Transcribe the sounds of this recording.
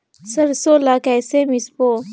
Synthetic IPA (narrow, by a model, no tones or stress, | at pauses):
sɐɾsoːlakɛːsemispo